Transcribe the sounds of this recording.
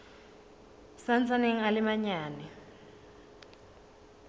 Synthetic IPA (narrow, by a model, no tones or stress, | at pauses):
sant͡saneŋ̩alɪmaɲaːnɛ